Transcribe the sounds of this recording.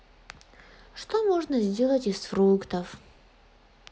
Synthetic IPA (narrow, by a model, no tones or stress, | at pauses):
ʂt̪omoʐnəzʲdʲe̞lˠətʲɪsfrukt̪əf